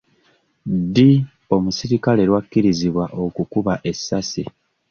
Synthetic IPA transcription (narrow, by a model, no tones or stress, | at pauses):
di | o̞musiɾikale̞ɾwakːiɾiziβwaʔo̞kukuβaʔe̞sːasi